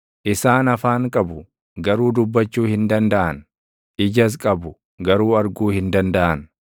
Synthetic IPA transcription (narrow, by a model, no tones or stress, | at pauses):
ʔɪsaːnɐfaːŋkʼɐbʊ | ɡɐɾuːd̪ʊbːɐt͡ʃːuːhɪnd̪ɐnd̪ɐʔɐn | ʔɪd͡ʒɐs̬kʼɐbʊ | ɡɐɾuːɐɾɡuːhɪnd̪ɐnd̪ɐʔɐn